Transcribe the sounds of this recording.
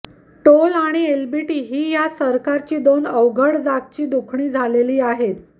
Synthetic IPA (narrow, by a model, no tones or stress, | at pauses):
ʈolaɽ̃ielbiʈiːɦiːjasəɾkaɾt͡ɕiːd̪onəʋɡʱəɽd͡zat̪̚t͡ɕiːd̪ukʰɳ̃iːd͡zʱaleliːaɦet̪